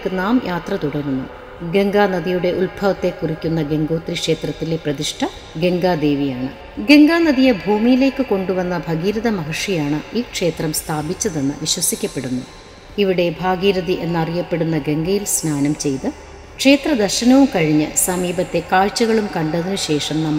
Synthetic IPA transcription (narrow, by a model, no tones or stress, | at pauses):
kːɨnaːmjʔaːt̪rɐt̪uɽɐrunːṵ | ɡe̞ŋɡaːnɐðijuɽe̞ʔulbʱɐʋɐt̪ːe̞kːurikʲːunːɐɡe̞ŋɡoːt̪rikʂe̞ːt̪rɐt̪ːileprɐðiʂʈʰɐ | ɡe̞ŋɡaːd̪e̞ːʋijaːɳɨ | ɡe̞ŋɡaːnɐðijebʱuːmijile̞ːkːɨko̞ɳɖuʋɐnːɐbʱɐɡiːɾɐðɐmɐɦɐʂijaːɳɨiːkʂe̞ːt̪rɐmst̪ʰaːbit͡ɕːɐðe̞nːɨ̰ʋiɕwɐsikʲːɐpːe̞ɽunːu | iʋiɽe̞bʱaːɡiːɾɐðiʔe̞nːɐrijɐpːe̞ɽunːɐɡe̞ŋɡɐjilsnaːnɐmt͡ɕe̞jt̪ɨ | kʂe̞ːt̪rɐd̪ɐrɕɐnɐʋumkɐɻiɲːɨsɐmiːbɐt̪ːe̞kaːɻt͡ɕːɐɣɐɭumkɐɳɖɐðinɨɕe̞ːʂɐmnɐmːɐ